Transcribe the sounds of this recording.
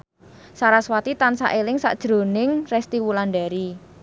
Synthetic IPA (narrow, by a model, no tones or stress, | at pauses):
saɾaswat̪it̪ansa̰ʔelɪŋsa̰ʔd̥ʒ̥ɾo̤nɪŋrɛst̪iwulandaɾi